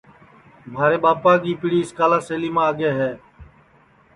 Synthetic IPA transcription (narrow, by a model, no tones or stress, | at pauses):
mʱaːɾeːɓaːpaːɡiːpɪɽiːɪskaːlaːseːliːmãːəɡeːɦɛː